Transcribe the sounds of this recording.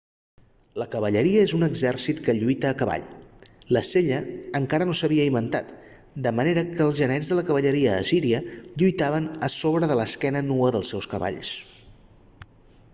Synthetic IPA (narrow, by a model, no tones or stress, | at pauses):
ləkəβəʎəɾiəezunəɡzɛrsit̪kəʎujt̪əːkəβa̰ʎləseʎəːŋkaɾənosəβ̞iəimbənt̪a̰t̪ | d̪əməneɾəkəːlˠzʒənɛd͡zzðələkəβəʎəɾiəːsiɾiəʎujt̪aβənəsoβɾəðələskɛnənuəðəlˠsɛwskəβa̰ʎs